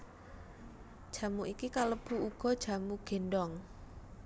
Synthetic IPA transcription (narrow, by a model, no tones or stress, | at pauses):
d̥ʒ̥a̤muʔikikaləb̥ṳuɡ̥ɔ̤d̥ʒ̥a̤muɡ̥e̤nɖɔŋ